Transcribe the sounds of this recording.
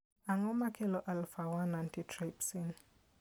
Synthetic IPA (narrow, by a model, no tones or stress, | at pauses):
aŋɔmakɛlɔʔalfawanantitɾapsiŋ